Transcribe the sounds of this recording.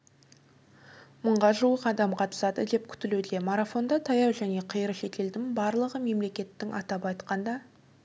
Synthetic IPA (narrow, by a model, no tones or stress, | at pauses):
məɴʁɑʒuwəqɑd̪ɑmqʰɑt̪ə̥sɑd̪əd̪e̞p̚kʲʰʏ̥t̪ɪlud̪e̞maɾafo̞nd̪ɑt̪ʰɑjɑwʒæne̞qʰəjəɾəʃe̞t̪e̞ld̪ɪŋbɑɾlˠəʁəme̞mle̞kʲe̞t̪ːɪŋʔɑ̰t̪ɑpɑjt̪qɑnd̪ɑ